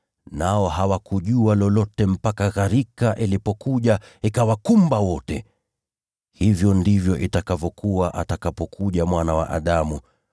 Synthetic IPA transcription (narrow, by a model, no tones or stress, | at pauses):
naɔɦawakuʄualɔlɔtɛm̩pakaɣaɾikaʔilipɔkuʄaikawakumbawɔtɛ̰ | hivjɔndivjɔʔitakavɔkuwaʔatakapɔkʰuʄamwanawa̰ʔa̰ɗamu